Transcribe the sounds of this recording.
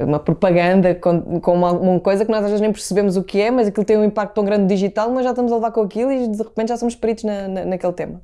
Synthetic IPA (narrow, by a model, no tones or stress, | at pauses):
ṵmɐpɾupɐɣɐ̃nd̪ɐkõkõaɣumũmɐkojzɐknɔzaʒvezʒnẽj̃pɨɾsɨβemuzukɨɛmɐzɐkilˠt̪ɐ̃j̃ũĩmpak̚t̪t̪ɐ̃w̃ɡɾɐ̃nd̪ːiʒit̪alˠmɐʒaʃt̪ɐmuzɐlˠvaɾkõɐkilˠuid̪ɨʁɨpẽnt̪ʒasomuʃpɨɾit̪uʒnɐnɐnɐkelˠt̪emɐ